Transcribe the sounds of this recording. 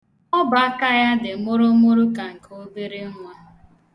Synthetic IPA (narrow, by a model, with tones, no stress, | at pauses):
ɔ˦ba˦ka˦ja˦dɪ˨˦mʊ˦ɾʊ˦mʊ˦ɾu˦ka˨ŋ̩˨ko˦be˦ɾe˦ŋʷ˨a˨